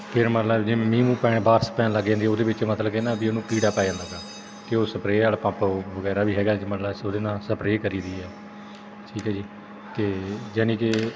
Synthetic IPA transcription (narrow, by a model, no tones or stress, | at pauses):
pʰɪɾmət̪ləbd͡ʒɪ̃mĩːmũːpɛːɽ̃ẽbaːɾsə̥pjãːləɡãːnd̪iːoːd̪eːbɪt͡ʃmət̪ləbkenãːbiːənũːkiːɽaːpaːãːnd̪aːɡaː | kɪoːsəpɾeːaːlpãːpʋəɡɛːɾaːʋiːɦɛːɡaːd͡ʒmət̪ləsoːd̪eːnãːsəpɾeːkəɾiːd̪iːɦɛː | ʈʰiːkɦɛːd͡ʒiː | t̪eːd͡ʒɛːnĩːke